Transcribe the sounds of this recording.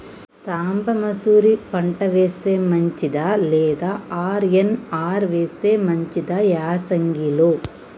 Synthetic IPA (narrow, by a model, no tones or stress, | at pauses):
saːmbɐmɐsuːɾipɐɳʈɐʋeːst̪eːmɐɲt͡ʃid̪aleːd̪aaːɾenaːɾʋeːst̪eːmɐɲt͡ʃid̪ɐjaːsɐŋɡilo